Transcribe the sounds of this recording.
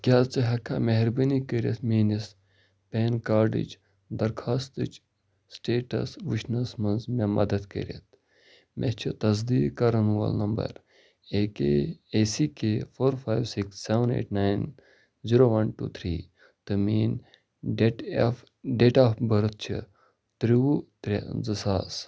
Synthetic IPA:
kʲaːlt͡sɨɦɐkʰa̰meɦɾbɐnikəɾɐt̪miːnis | peːnkaːɾɖḭt͡ʃ | d̪ɐɾkʰaːst̪ɨt͡ʃʰ | sʈeːʈɐ̰sʋit͡ʃnɐsmɐnzmemɐ̰d̪ɐd̪kə̰ɾɐ̰t̪̚ʰ | mʔḛt͡ʃʰit̪ɐzd̪iːɡkɐɾɐnʋɐ̰lnɐmbɐ̰ɾ | eːkeesikefoːɾfajʋsiksːeʋɐnḛːʈnaːjn | ziɾoːʋɐnʈṵːt̪ʰɾiː | t̪ɨmiːn | ɖʈf | ɖeːʈafbɐɾt̪̚t͡ʃʰɨ̰ | t̪ɾiut̪ɾezɐsaːs

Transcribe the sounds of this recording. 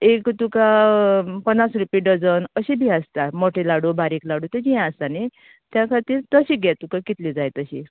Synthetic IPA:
ekt̪uka | pənːasɾupiɖəd͡zənəɕibʱiast̪amoʈʰelaɽubaɾiklaɽut̪ed͡ʑijãəst̪ani | t̪jakʰaɾt̪iːɾt̪əɕiɡɛt̪ukakit̪lid͡zajt̪əɕḭ

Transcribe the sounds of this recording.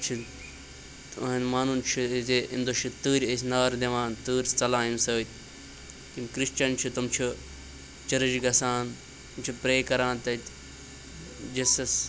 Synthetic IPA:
t͡ʃʰi | ɦɐnmaːnunt͡ʃʰizeḭnd̪oʃʰit̪ɨːɾʲes̬ʲnaːɾd̪eʋãːnt̪ɨːɾʲst͡sɐlãːinsəːt̪ʲʰ | k̪imkɾiʃt͡ʃɐnt͡ʃʰut̪ɐmt͡ʃʰu | t͡ʃɐɾɐd͡ʒɡɐsaːn | t̪mt͡ʃʰupɾeːkɐɾaːnt̪ɐt̪ | d͡ʒɐsɐs

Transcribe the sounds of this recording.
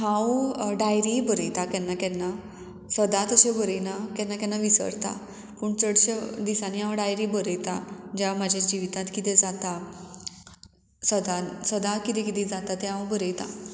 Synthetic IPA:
ɦãwɖajɾibəɾəjt̪akɛnːakɛ̃nːa | səd̪at̪əɕebəɾəjnakɛnːakɛnːaʋisə̰ɽt̪a̰ | pəɳt͡səɽɕed̪isaniɦãwɖajɾibəɾəjt̪ad͡ʑamad͡ʑʱad͡ʑiʋit̪ãt̪kit̪ẽd͡zat̪a | səd̪asəd̪akit̪ẽkit̪ĩd͡zat̪at̪eɦãwbəɾəjt̪a̰

